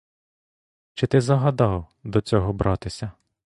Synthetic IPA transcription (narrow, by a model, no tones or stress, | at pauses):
t͡ʃɪt̪ɪzɐɦɐd̪ɑw | d̪ɔt͡sʲɔɦɔbɾʔɑt̪ɪsʲɐ